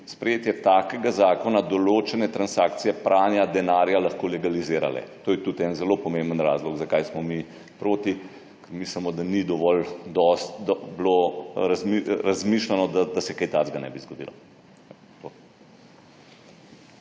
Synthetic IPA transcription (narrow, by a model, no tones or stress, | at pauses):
spɾɛjeːt̪jɛt̪aːkɛɡazaːkɔnad̪ɔloːt͡ʃɛnɛt̪ɾansaːkt̪sijɛpɾʔaːnjad̪ɛnaːɾjalaxkoːlɛɡalizeːɾa̰lɛ̰t̪oːjɛt̪ut̪ɛnzɛloːpɔmembənɾa̰zlɔɡzakajsmɔmi | pɾoːt̪i | kɛɾmislɛmɔd̪anid̪ɔʋɔld̪ɔst̪d̪ɔbloɾazmiɾazmiʃlanɔd̪ad̪asɛkɛjt̪ad͡z̪ɡanɛ̰bizɡɔd̪ḭːlɔ̰ | t̪o